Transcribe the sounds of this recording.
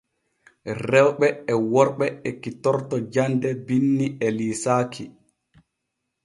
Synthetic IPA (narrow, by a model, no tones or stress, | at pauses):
rɛwɓɛɛwɔɾɓɛɛkitɔɾtɔd͡ʒandɛbinːiʔɛliːsaːkʰi